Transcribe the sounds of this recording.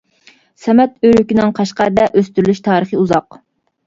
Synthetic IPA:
sɛmɛt̪øɾykʲinɪŋqʰɑʃqɑɾd̪ɛʔøst̪yɾylyʃt̪ʰɑːɾəχəuzɑq

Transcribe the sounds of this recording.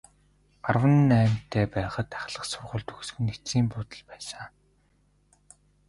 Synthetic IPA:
ɢarwə̆nːæːm̥t̪ʰːeːpæːχə̆t̪aχɮə̆qsʊrʁə̆ɮt̪ɵxsɡɘ̆net͡siːmpʊt̪ə̆ɮpæːsə̆ŋ

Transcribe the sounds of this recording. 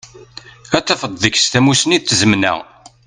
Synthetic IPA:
æt͡sːæfəd̪ˤðəçst̪æmusəniðθzəmnæ̰ʁ

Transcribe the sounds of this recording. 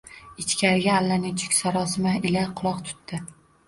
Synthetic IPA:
ɪt͡ʃkʲʰaɾɪɡʲaːlːanɪŋt͡ʃʰʊ̥kʲsaɾɒsɪmaʔɪlaqʰʊlˠɒqt̪ʰʊ̥t̪ːɪ

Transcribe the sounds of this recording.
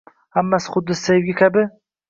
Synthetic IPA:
hamːasɪ̥χʊd̪ːɪssajɪɡʲakʲʰabɪ

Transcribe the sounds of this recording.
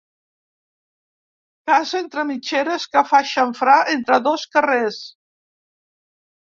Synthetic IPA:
kazent̪ɾəmit͡ʃeɾəskəfaʃəɱfɾaʔent̪ɾəðoskəres

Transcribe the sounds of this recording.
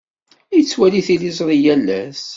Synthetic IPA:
jt͡sːwæliθilizˤɾˤijælːæs

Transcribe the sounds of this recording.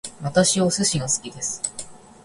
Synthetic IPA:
βat̪aɕiosɨɕĩŋasɨ̥kʲid̪e̞sɨ̥

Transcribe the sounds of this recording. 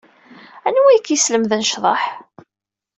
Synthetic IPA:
ænwijkisləmðənʃðˤɑ̰ħ

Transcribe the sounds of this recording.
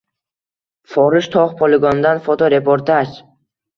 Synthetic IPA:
fɒɾɪʃt̪ʰɒχpʰɔlɪɡɔnd̪anfot̪ʰoɾe̞pʰoɾt̪ʰad͡ʒ

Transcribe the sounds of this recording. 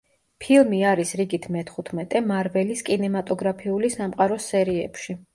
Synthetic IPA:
pʰilˠmiaɾisɾiɡit̪ʰmɛt̪ʰχut̪ʰmɛt̪ʼɛmaɾvɛliskʼinɛmat̪ʼɔɡɾapʰiulisamqʼaɾɔsɛɾiɛ̰pʃi

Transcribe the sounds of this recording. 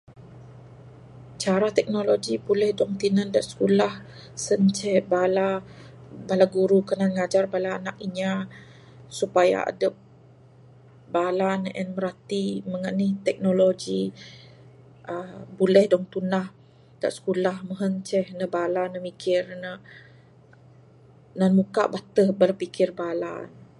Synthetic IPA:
t͡ʃaɾat̪ɛk̚noloɡibulɛhdɔŋt̪inəndaʔsə̥kulah | sənt͡ʃɛhbala | balaɡuɾukənanŋad͡ʒarbalaːnakiɲa | supaja̰a̰dəp̚ | balanəʔɛnməɾat̪iməŋaʔniht̪ɛk̚noloɡi | ʔəbulɛhdɔŋt̪unah | da̰ʔsə̥kulahməɦəɲt͡ʃɛhnəbalanəmikʰɪrnə | nanmuka̰ʔbat̪əhbalapikɪrbala̰n

